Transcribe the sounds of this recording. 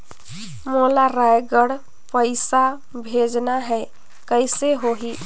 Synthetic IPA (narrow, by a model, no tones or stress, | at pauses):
molaɾajɡəɽ | pəɪsa | bʱed͡ʒnaɦɛ | kəjseɦoɦi